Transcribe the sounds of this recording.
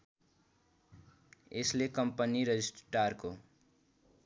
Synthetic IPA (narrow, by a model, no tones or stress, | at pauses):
eslekʌmpəniɾed͡ʒisʈʈaɾko